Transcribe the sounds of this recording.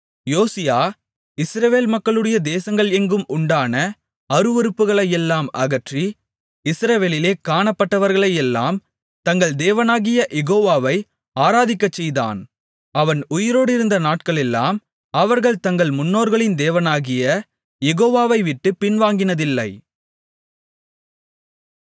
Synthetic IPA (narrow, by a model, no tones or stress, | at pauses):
joːsɪjaː | ɪsɾɐʋeːlmɐkːɐɭɯɽɐjɐd̪eːsɐŋɡɐɭɛŋɡɯmʊɳɖaːnɐ | ɐɾɯʋɔɾɯpːɯɣɐɭɐjɛlːaːmɐ̰ɣɐʈri | ɪsɾɐʋeːlɪleːkaːɳɐpːɐʈːɐʋɐɾɣɐɭɐjɛlːa̰ːm | t̪ɐŋɡɐɭd̪eːʋɐnaːɣɪjɐʔɛɣoːʋaːʋɐɪ | aːɾaːðɪkːɐt͡ʃːɛjða̰ːn | ɐʋɐnʊjɪɾoːɽɪɾɯnd̪ɐnaːʈ̚kɐɭɛlːaːm | ɐʋɐɾɣɐɭt̪ɐŋɡɐɭmʊnːoːɾɣɐɭɪnd̪eːʋɐnaːɣɪjɐ | jɛɣoːʋaːʋɐɪʋɪʈːɯpɪnʋaːŋɡɪnɐðɪlːɐɪ